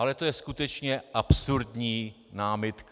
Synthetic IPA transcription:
alɛt̪o̞jɛskut̪ɛt͡ʃɲɛʔapsuɾdɲiː | naːmɪt̪k

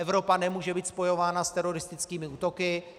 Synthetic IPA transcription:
ɛvɾo̞panɛmuːʒɛbiːt̪spo̞jo̞vaːnast̪ɛɾo̞ɾɪst̪ɪt͡skiːmɪuːt̪o̞kɪ

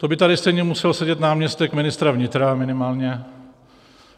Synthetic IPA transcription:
t̪obɪt̪adɪst̪ɛjɲɛmusɛlsɛɟɛt̪naːmɲɛst̪ɛkmɪnɪst̪ɾavɲɪt̪ɾamɪnɪmaːlɲɛ

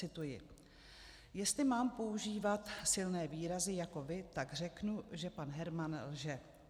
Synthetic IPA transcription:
ɪt̪ujɪ | jɛst̪lɪmaːmpo̞uʒiːvat̪sɪlnɛːviːɾazɪjako̞vɪt̪aɡr̝ɛknuʒɛpanɦɛɾmanlʒɛ

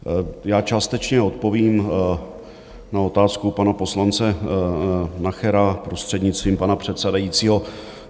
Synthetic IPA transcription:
jaːt͡ʃaːst̪ɛt͡ʃɲɛo̞t̪̚po̞viːm | nao̞t̪aːskupanapo̞slant͡sɛ | naxɛɾapɾo̞st̪r̥ɛdɲɪt͡st̪viːmpanapr̝̥ɛt̪sɛdajiːt͡siːɦo̞

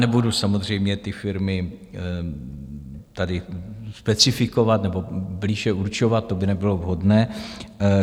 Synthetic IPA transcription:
nɛbudusamozr̝ɛjmɲɛt̪ɪfɪɾmɪ | t̪adɪspɛt͡sɪfɪko̞vat̪nɛbo̞bliːʒɛʔuɾt͡ʃo̞vat̪̚t̪ːo̞bɪnɛbɪlovɦodnɛː

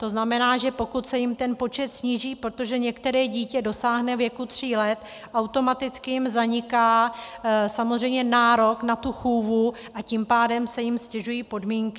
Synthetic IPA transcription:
t̪o̞znamɛnaːʒɛpo̞kut̪sɛjɪmt̪ɛnpo̞t͡ʃɛt̪sɲiːʒiːpɾot̪o̞ʒɛɲɛkt̪ɛɾɛːɟiːcɛdo̞saːɦnɛvjɛkut̪r̝̥iːlɛt̪ | ʔawt̪o̞mat̪ɪt͡skɪjɪmzaɲɪkaː | samozr̝ɛjmɲɛnaːɾo̞knat̪uxuːvu | ʔacimpaːdɛmsɛjɪmscɛʒujiːpo̞dmiːŋkɪ

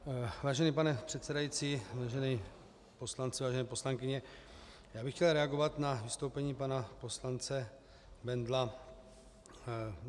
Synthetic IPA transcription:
vaːʒɛniːpanɛpr̥ɛt̪t͡sɛdajit͡siːvaːʒɛniː | po̞slant͡sɪvaːʒɛnɛːpo̞slaŋkɪɲɛ | jaːbɪxcɛlɾɛaɡovat̪navɪst̪owpɛɲiːpanapo̞slant͡sɛ | bɛnd̪la

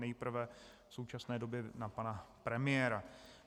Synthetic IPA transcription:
nɛjpr̩vɛ | fso̞wt͡ʃasnɛːdo̞bjɛnapanapɾɛmɪjɛːɾa

